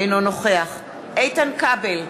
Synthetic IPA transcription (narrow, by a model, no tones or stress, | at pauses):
jnonoχeaχ | ʔejt̪ankabel